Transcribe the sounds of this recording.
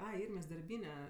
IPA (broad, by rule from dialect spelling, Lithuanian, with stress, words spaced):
ˈɐɪ ˈɪrʲmʲeːs dɐrʲˈbʲiːnʲɛ